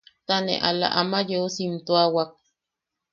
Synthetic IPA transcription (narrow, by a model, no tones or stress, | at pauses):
t̪anḛʔala̰ʔamajeosint̪oawak̚